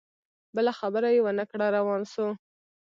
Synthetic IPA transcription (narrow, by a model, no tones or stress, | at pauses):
bəlaxabəɾajewənəkɽaɾawɑnso